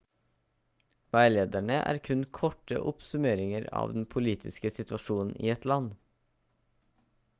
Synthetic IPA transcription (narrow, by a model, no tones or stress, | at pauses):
ʋæɪleːd̪æɳəʔæ̰ːɾkʰʉnkʰɔʈə̰ʔʊpsʉmeːɾɪŋəɾɑ̰ːʋd̪n̩pʰʊliːt̪ʰɪskəsɪt̪ʋɑʃuːnn̩ʔḭːɛt̪lɑn